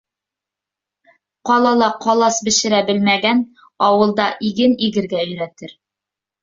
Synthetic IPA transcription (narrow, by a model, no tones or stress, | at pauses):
qɒlˠɑlˠɑqɒlˠɑsbɘ̆ʃɘ̆ɾæbɘlmæɡæn | ɒwɤ̆lˠd̪ɑʔiɡɘniɡɘ̆ɾɡæɵ̆jɾæt̪ɘɾ